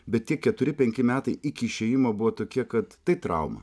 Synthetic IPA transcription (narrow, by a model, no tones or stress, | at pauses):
bʲɛt̪̚t̪ʲiɛkʲɛt̪ʊɾʲɪpʲɛŋʲkʲɪmʲæːt̪ɐɪʔɪkʲɪːʃʲeːjɪmoːbʊʋoːt̪oːkʲiɛkɐt̪ːɐɪt̪ɾɐ̰ʊmɐ̰